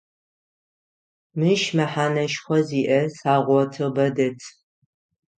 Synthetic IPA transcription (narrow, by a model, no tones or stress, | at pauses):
mɨʃmɐħaːnɐʃxʷɔziːʔɐsaːʁʷɔtʰɨbɐdɐtʰ